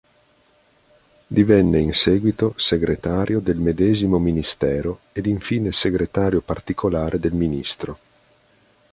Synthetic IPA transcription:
d̪ivɛnːeinsɛːɡwit̪oseɡɾet̪aːɾʔjod̪elmed̪ɛːzimominist̪ɛːɾo | ed̪iɱfiːneseɡɾet̪aːɾjopart̪ikʰolaːɾʔed̪elminist̪ɾo

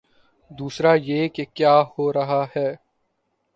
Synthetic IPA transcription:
d̪uːsɾajeːkekjaːhoːɾɐɦaɦɛː

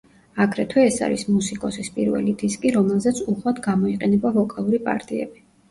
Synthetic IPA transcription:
aɡɾɛt̪ʰwɛːsa̰ɾḭsmusikʼɔsispʼiɾvɛ̰lid̪iskʼiɾɔmɛlˠzɛt̪sʰuχwad̪ʰɡamɔiqʼɛnɛbavɔkʼalˠuɾipʼa̰ɾt̪ʼiɛ̰bi

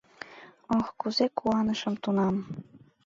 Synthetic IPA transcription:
oxkuzekuɑnəʃə̆mt̪unɑm

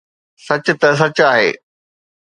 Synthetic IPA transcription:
sɐt͡ɕʊ̆t̪ɐs̬ɐt͡ɕaːɦḛː

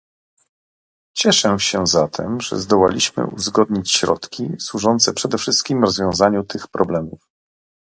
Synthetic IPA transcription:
t͡ɕɛʂɛɕɛzat̪ʰɛmʐɛ̰zd̪ɔwalʲiɕmɘ̰ʔṵzɡɔd̪ɲit͡ɕɕɾɔ̰t̪kʲiswuʐɔnt̪sɛpʂɛd̪ɛfʂɘst̪̚kʲimɾɔzvʲjɔ̃w̃zaɲut̪ʰɘxpɾɔblɛmuf

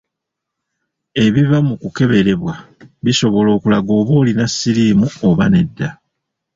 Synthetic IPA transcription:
e̞βiβamukuke̞βe̞ɾe̞βwaβiso̞βo̞lo̞ːkulaɡo̞ːβo̞ːlinasːiɾiːmuoβane̞dːa

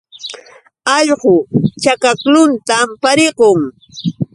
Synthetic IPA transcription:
ɑʎɢʊt͡ʃakaklʊnt̪ampaɾɪqoŋ

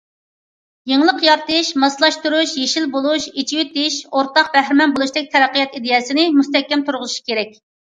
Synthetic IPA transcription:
jeŋlˠəqjɑɾt̪ɨʃmɑslˠɑʃt̪uɾuʃjeʃilbolˠuʃet͡ʃʰiwit̪ɪʃoɾt̪ɑq̚bɛhɾɪmɛnbolˠuʃd̪ɪk̚ʲt̪ʰɛɾæqːəjɛt̪id̪ɪjɛsɪnɪmust̪ɛkʲːɛmt̪ʰuɾʁʊzɨʃi̥kʲeɾɛk̚ʲ

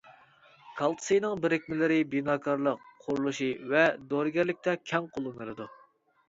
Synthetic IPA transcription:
kʰɑlˠt̪ʰɨ̥sɨjnɨŋbɪɾɪkʲmɪlɪɾɪbinɑːkʰɑɾlˠəqʰːʊɾulˠuʃivɛd̪oɾɡʲɛɾlɪk̚ʲt̪ʰɛkʲʰɛŋqʰolˠumɨɾɨd̪u

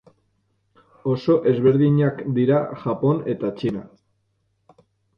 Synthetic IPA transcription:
oso̞ʔe̞zβe̞ɾðiɲakd̪iɾaʝapo̞ne̞t̪at͡ʃina

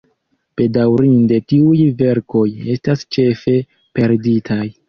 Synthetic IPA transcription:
b̥e̞dawɾinde̞tiujve̞ɾko̞je̞stast͡ʃe̞fe̞ | pe̞ɾditʰaj

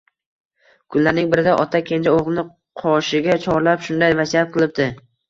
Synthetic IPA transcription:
kʰʊnlaɾnɪŋbɪɾɪd̪aʔɒt̪ʰakʲʰend͡ʒaoʁlˠnɪ | qʰɒʃɪɡʲat͡ʃʰɒɾlapʃʊnd̪ajvasiat̪̚qʰɨlˠɪp̚d̪ɪ

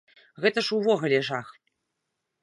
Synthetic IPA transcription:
ɣɛt̪əʂuvɔɣɐlʲeʐax

